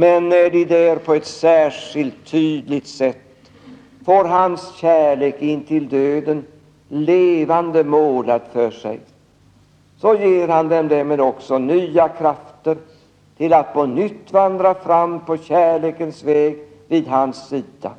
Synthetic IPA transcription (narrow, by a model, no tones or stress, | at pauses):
mɛnːæɖɪd̪æɾpʰɔɛt̪sæːʂɪlt̪ʰːyːd̪lɪɡt̪sɛt̪ː | foːɾɦansɕæːɭeːkɪnːt̪ʰɪld̪øːd̪ən | leːvand̪əmoːlad̪fœʂɛ̰j | sɔjeːɾhand̪ɛnd̪ɛmeːd̪ɔksɔnyːakʰɾaft̪əɾ | t̪ʰɪlat̪̚bɔnʏt̪ːvand̪ɾafɾamːpʰɔɕæːɭeːkənsvɛːɡ | viːd̪ɦansːiːd̪a̰